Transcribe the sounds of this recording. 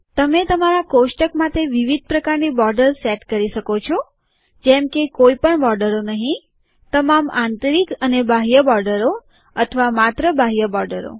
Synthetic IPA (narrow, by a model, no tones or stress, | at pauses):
t̪əmet̪əmaɾakoʃʈəkmat̪ʰeʋiʋid̪̚ʱpɾəkaɾnibɔɾɖəɾsɛʈkəɾiʃəkot͡ʃʰo | d͡ʒɛmkekoipəɳbɔɾɖəɾonəɦĩ | t̪əmamant̪əɾikənebʱaɦijəbɔɾɖəɾo | ət̪ʰəʋamat̪ɾəbaɦijəbɔɾɖəɾo̰